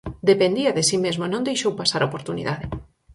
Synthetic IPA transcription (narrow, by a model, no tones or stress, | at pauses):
d̪epend̪iɐðɪsimezmonõnd̪ejʃowpasaɾaopoɾt̪unḭðaðɪ